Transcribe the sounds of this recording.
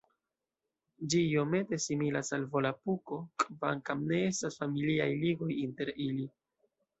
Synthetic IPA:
d͡ʒijo̞me̞te̞similasalvo̞lapuko̞kʼva̰ŋkamne̞e̞stasfamiliajliɡo̞jinte̞ɾili

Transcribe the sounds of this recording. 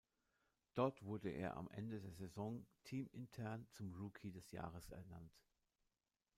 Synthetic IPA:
d̥ɔɐtv̥ʊɐdəʔḛːɐʔa̰mʔɛ̰ndədeːɐzezɔŋtʰiːmɪntʰɛɐnt͡sʊmʁuːkʰidɛsja̰ːʁ̞əsɛ̰ɐna̰nt

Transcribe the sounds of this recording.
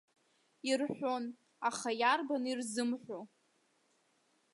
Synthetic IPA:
irħʷo̞n | aχajarbanirzɨmħʷo

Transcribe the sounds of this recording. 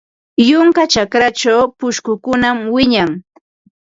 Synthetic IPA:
jʊŋkat͡ʃakɾat͡ʃawpʊʃkʊkʊnamwɪɲaŋ

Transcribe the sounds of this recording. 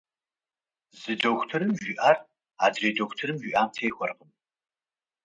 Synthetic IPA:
zɨdowxʷtʰɨɾɨmʒʷiːʔaːr | a̰ːdreːdoxʷtʰɨɾɨmʒʷiʔaːmtʰeːxʷɔrqəm

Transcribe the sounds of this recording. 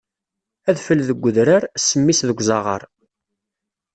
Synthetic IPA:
æðfəlðəɡʷːəðɾəɾsːəmːisðəɡʷzɑʁə̰ɾˤ

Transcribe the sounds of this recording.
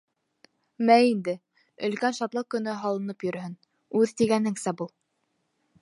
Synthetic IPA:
mæind̪ɘ | ɵ̆lkænʃɑt̪lˠɤkɵ̆nɵɦɑlˠɤ̆nɤpjɵ̆ɾhɵn | ʉðt̪iɡænɘŋsæbulˠ

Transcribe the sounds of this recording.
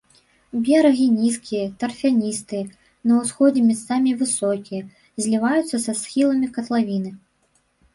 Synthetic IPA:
bʲɛɾɐɣʲinʲiskʲijɐt̪ɐrfʲanʲist̪ɨjɐ | nɐwsxɔd͡zʲɛmʲɛt̪samʲivɨsɔkʲijɐ | zʲlʲivajut̪sɐsɐsxʲilˠɐmʲikɐt̪lˠavʲinɨ

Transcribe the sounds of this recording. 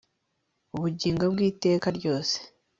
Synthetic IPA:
uβuɟiːŋɡabɡiːte̞ːkaɾɟo̞ːse̥

